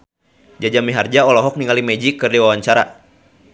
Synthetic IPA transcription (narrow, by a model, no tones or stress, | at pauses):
d͡ʒad͡ʒamiɦard͡ʒaɔlɔɦɔk̚niŋalimɛd͡ʒikɨrdiwawaɲt͡ʃaɾa̰